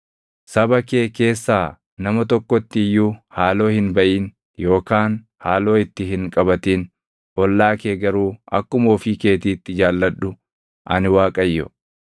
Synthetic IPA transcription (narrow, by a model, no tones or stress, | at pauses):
sɐbɐke̞ːke̞ːsːaː | nɐmɐt̪ɔkːɔt̪ːɪɪjːuːhaːlo̞ːhɪnbɐʔiːn | jo̞ːkaːn | haːlo̞ːɪt̪ːɪɦɪŋkʼɐbɐt̪iːn | ʔɔlːaːkeːɡɐɾuːɐ̰kːʊmoːfiːke̞ːt̪iːt̪ːɪd͡ʒaːlːɐᶑʊ | ʔɐnɪwaːkʼɐjːɔ